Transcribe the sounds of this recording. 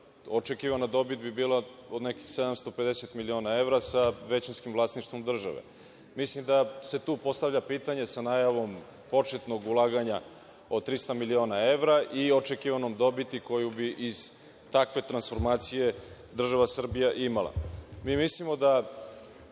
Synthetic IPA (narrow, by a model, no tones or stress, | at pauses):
ot͡ʃekiʋanad̪o̞bit̪̚bibiːla | od̪nekixsed̪amst̪o̞ped̪eset̪milio̞ːnae̞ʋɾasaʋe̞t͡ɕinskimvlˠaːsniʃt̪ʋo̞md̪r̩ʒa̰ʋḛ | mislimd̪ase̞t̪uːpo̞st̪aʋʎapiːt̪aɲe̞sanaːjaʋo̞m | po̞t͡ʃet̪no̞ɡulˠaːɡaɲa | ot̪ɾist̪amilioːnae̞ʋɾaʔiot͡ʃekiʋanomd̪o̞bit̪iko̞jubiʔiz̥ | t̪akʋe̞t̪ɾansfo̞ɾmaːt̪sije̞d̪r̩ʒaʋasr̩bijaʔimalˠa̰miːmislimo̞d̪a